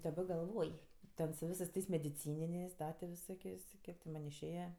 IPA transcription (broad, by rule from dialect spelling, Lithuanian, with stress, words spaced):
dɐˈbɐ ɡɐlˠˈʋoːj ˈtʲɛn sʊ ˈʋʲɪsɜs ˈtɐɪs mʲɛdʲɪˈt͡sʲiːnʲɪnʲeːsʲ ˈdɐ tʲɪ ʋʲɪˈsoːkʲeːsʲ tʲɪ ˈkʲiɛk tʲɪ ˈmɐnʲ ɪʃʲˈeːjɛ